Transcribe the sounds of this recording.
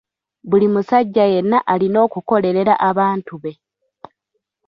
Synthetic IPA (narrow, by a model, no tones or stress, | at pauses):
βulimusaɟːaje̞nːaʔalino̞ːkuko̞le̞ɾe̞ɾa̰ʔaβaːntuβe̞